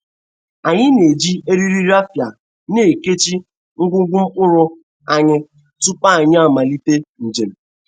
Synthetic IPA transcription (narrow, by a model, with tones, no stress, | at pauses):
a˨ɲɪ˦ne˨d͡ʒi˦e˦ɾi˦ɾi˦ɾa˦fja˨ | ne˨ke˦t͡ʃi˦ | ŋ̩˦ɡʷʊ˦ɡʷʊ˦m̩˦k͡pʊ˦ɾʊ˦ | a˨ɲɪ˦ | tʊ˦k͡pa˦a˨ɲ˦a˦˨ma˨li˦te˦n̩˨d͡ʒe˨m̩˨